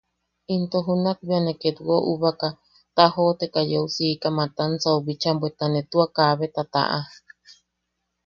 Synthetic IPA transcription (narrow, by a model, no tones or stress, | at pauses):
int̪oɦunak̚bianeket̪uoʔuβaka | t̪aɦot̪ekajeusikamãt̪ansauβit͡ʃambwet̪anet̪uakaβet̪at̪a̰ʔa